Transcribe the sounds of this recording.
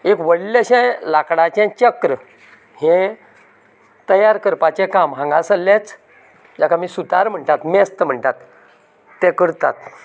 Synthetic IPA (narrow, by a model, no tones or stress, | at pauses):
ekʋəɽləɕɛ̃lakɽat͡ɕɛ̃t͡ɕəkɾə | hɛ̃ | t̪əjaɾkəɾpat͡ɕɛ̃kãmɦãŋɡasəlːẽt͡s | d͡ʑakʰamiːsut̪aɾm̤əɳt̪at̪mɛst̪əm̤əɳʈ̪at̪ː | ɛ̃kəɾt̪a̰t̪